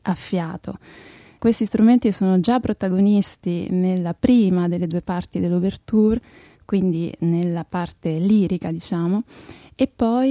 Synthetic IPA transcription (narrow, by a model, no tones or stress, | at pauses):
afːjaːt̪o | kwest̪ist̪ɾument̪isoːnod͡ʒapːɾot̪aɡonist̪inelːapɾiːmad̪elːed̪uːepart̪id̪elːobert̪ur | kwind̪inelːapart̪eliːɾikad̪it͡ʃaːmo | epːɔj